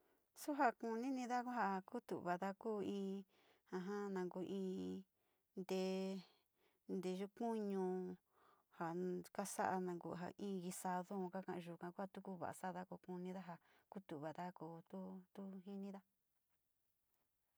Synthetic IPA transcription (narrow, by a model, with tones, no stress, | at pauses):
su˦ɦa˧ku˧nĩ˦nĩ˧ða˦ku˦a˧ku˦t̪ṵ˨ʔβa˨ða˦kuː˦ĩː˧ | hã˧ɦã˦nã˨ŋɡu˧ʔĩː˧˦ | nd̪e˧ | nd̪e˧ʒu˦kũ˦ɲũ˧ | ha˨ka˦sa̰˦ʔa˧nã˧ŋɡṵ˧˨ɦa̰˨ʔĩː˦˧ɣi˧sa˧ðõ˦˧ka˦kã˧ʔʒu˨kã˧ku˦ha˧t̪u˦ku˦βa̰˨ʔa̰˨sa˦˧ða˦ku˧ku˧nĩ˧ða˦ɦa˨ | ku˦t̪u˨βa˨ða˦kuː˧˦t̪u˦t̪u˦ɦĩ˦nĩ˦ða˦